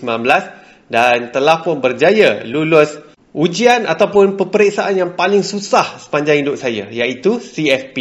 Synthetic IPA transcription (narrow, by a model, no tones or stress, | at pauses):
smanbəlas | dant̪əlahpʊnbərd͡ʒajalulʊs | ʔud͡ʒiana̰t̪awpʊnpəpəɾeksaʔanjaŋpalɪŋsusahsə̥paɲd͡ʒaŋindʊʔsaja̰jaʔit̪usiɛfpi